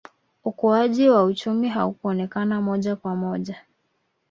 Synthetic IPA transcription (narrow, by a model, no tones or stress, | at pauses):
ukuaʄiwaut͡ʃumiɦaukuɔnɛkanamɔʄakwamɔʄa